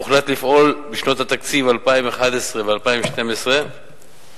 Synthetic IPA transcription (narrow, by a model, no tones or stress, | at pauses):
uχlat̪lifʔo̞lbiʃno̞t̪hat̪akt͡sivalpaimeχad̪esʁevealpaimʃte̞mesʁe